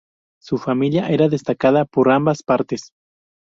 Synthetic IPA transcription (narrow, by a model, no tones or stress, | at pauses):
sufamiljaʔeɾaðest̪akaðapoɾambaspaɾt̪es